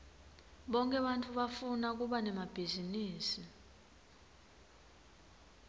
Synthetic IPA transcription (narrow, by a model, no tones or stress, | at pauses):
ɓɔŋkʼɛɓantʼuɓafunak̬uɓanɛmab̥ʱiziniːsi